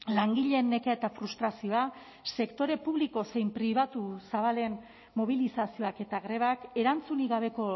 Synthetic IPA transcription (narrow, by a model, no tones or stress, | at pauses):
laŋɡiʎe̞nːe̞keaet̪afɾust̪ɾasio̞a | se̞kt̪o̞ɾe̞puβliko̞se̞jmpɾiβ̞at̪usaβale̞nː | o̞β̞ilisasio̞ake̞t̪aɣɾe̞β̞ake̞ɾant͡suniɣaβ̞e̞ko̞